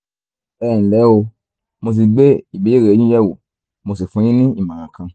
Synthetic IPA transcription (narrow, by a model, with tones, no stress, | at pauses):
ɛ˦˨n̩˨lɛ˨˦o˧ | mo˧s̬i˨ɡ͡be˦i˨bi˨˦e˦˨e˨˦ɲũ˦jɛ˦˨wu˨ | mo˧si˨fũ˧˦jĩ˦nĩ˦i˦˨mã˨ɾã˨kʰã˧